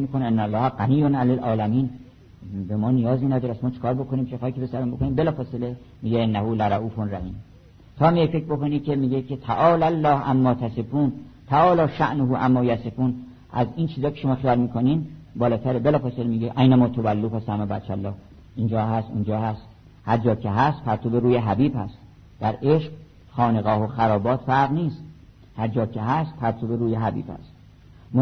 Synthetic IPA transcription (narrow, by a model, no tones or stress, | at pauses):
miːkʰoneenːælːɒːhæɡæniːjonælælʔɒːlæmiːn | bemɒːnijɒːzmiːnæd̪ɒːɾæsmɒːt͡ʃʰe̥kɒːɾbokʰoniːmt͡ʃʰexɑːikʰepesæɾombokʰoniːmbe̞lɒːfɒːsele | miːɟeenːæhulæɾæʔuːfonræhiːm | t̪ʰɒːmiefekʰboko̞niːcʰemiːɟecʰet̪ʰæʔɒːlælːɒːhʔæmːɒːt̪ʰæsefuːnt̪ʰæɒːlɒːʃæʔnoɦuʔæmːɒːjæsefuːn | ʔæ̰ziːnt͡ʃʰiːzɒːkʰe̞ʃomɒːxijɒːlmiːkʰoniːnbɒːlɒːt̪ʰæɾebelɒːfɑselmiːɟeʔæjnæmɒːt̪ʰobælːuːfæsæmæbæ̰t͡ʃʰːælːɒːh | ind͡ʒɒːɦæst̪ṵnd͡ʒɒːhæst̪ | hæɾd͡ʒɒːkʰeɦæst̪̚pʰæɾt̪ʰobeɾuːjeɦæbiːbhæst̪ | d̪̥æɾeʃq | xɒːneɣɒːhoxæɾɒːbɒːt̪fæɾʁniːst̪ | hæɾd͡ʒɒːkʰeɦæst̪̚pʰæɾt̪ʰobeɾuːjeɦæbḭːb̥hæ̰st̪ | m